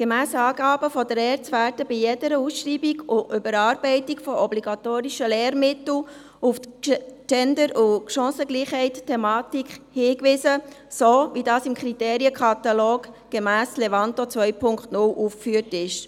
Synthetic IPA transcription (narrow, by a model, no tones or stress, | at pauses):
ɡ̥emæːsəɑːɡɑːbəfɔdəɾɛːɾt͡sʋæːɾdəbɪjedəɾəusʃriːbiɡʊʔʏbəɾɑːɾbɛɪtikfɔʔɔbliɡ̥ɑt̪oːɾiʃəlɛːɾmɪt̪l̩ | uft͡ʃɛndəɾʊʃɑ̃ːsəɡliːχhɛɪttʰːɛmɑːtikχhɪːkʋɪsə | soːʋidɑːsɪmkʰɾiteːɾiəkʰχɑt̪ɑloːɡ | ɡ̥emæːsleʋɑntot͡sʋœʏpʰʊŋkχtnʊlʔufkfyːəɾtɪʃ